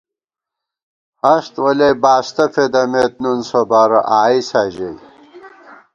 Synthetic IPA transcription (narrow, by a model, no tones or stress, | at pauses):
hɐst̪wɐlebaːst̪ɐfʰed̪ɐmet̪̚nunsobaɾɐʔaːisaːʑej